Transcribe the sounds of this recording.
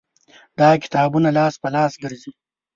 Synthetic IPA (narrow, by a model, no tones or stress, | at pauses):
d̪ɑːkɪ̥t̪ɑːbunalɑːspɐlɑːsɡəɾzi